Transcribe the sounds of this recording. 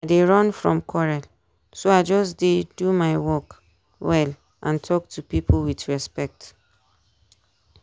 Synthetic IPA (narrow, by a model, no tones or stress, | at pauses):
adeɹɔ̃nfɹɔ̃mkʰɔɹɛl | soaɪd͡ʒɔsdedumaɪwɔk | wɛl | ʔãntʰɔk̚tʰupiplwidɹɛspɛk̚t